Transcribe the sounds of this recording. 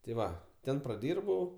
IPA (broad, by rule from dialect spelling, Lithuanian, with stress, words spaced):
tʲɪ ˈʋɐ ˈtʲɛn prɐˈdʲiːrbɐʊ